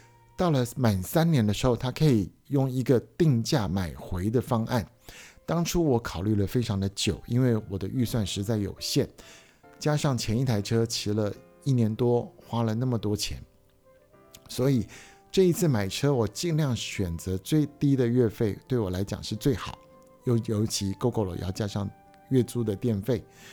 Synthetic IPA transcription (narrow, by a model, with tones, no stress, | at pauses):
t̪ɑ˥˩ʊlə˩ma˨˩nsa˥nnjɛ˧˥nd̪ə˧ʂɻ̩˧˥xo˥˧ʊt̪ʰa˥kʰɤ˧˥i˨˩ | jʊ˥˩ŋi˧˥ɡə˧t̪i˥˧ŋt͡ɕja˥˩ma˨˩ɪxwe˧˥ɪd̪ə˨fɑ˥ŋʔa̰˥˩n | t̪ɑ˥ŋʈ͡ʂʰu˥wɔ˧˥kʰɑ˨˩ʊly˥˩lə˩fe˥ɪʈ͡ʂʰɑ˧˥ŋd̪ə˧t͡ɕjo˨˩˦ʊi˥nwe˥˩ɪwɔ˨˩d̪ə˦ʔy˥˧swa˥˩nʂɻ̩˧˥t͡sa˥˩ɪjo̰˨˩ʊɕjɛ˥˩n | t͡ɕja˥ʂɑ˥˩ŋt͡ɕʰjɛ˧˥ni˥˩t̪ʰa˧˥ɪʈ͡ʂʰɤ˥t͡ɕʰi˧˥lə˧ | i˥˩njɛ˧˥nt̪wɔ˥xwa˥lə˨na˥˩mə˩t̪wɔ˥t͡ɕʰjɛ̰˧˥n | swɔ˧˥i˨˩ | ʈ͡ʂɤ˥˩i˧˥t͡sʰɹ̩˥˩ma˨˩ɪʈ͡ʂʰɤ˥wɔ˨˩t͡ɕi˥˧ŋljɑ˥˩ŋɕɥɛ˨˩nt͡sɤ˧˥t͡swe˥˩ɪt̪i˥d̪ə˨ɥɛ˥˧fe˥˧ɪt̪we˥˩ɪwɔ˨˩la˧˥ɪt͡ɕjɑ̰˨˩ŋʂɻ̩˥˧t͡swe˥˩ɪxɑ˨˩˦ʊ | jo˥˩ʊjo˧˥ʊt͡ɕʰi˧˥ko˥ʊkʰo˥˩lo̰˨˩˦jɑ̰˥˧˩ʊt͡ɕja˥ʂɑ˥˧ŋ | ɥɛ˥˩t͡su˥d̪ə˨t̪jɛ˥˧nfe˥˩ɪ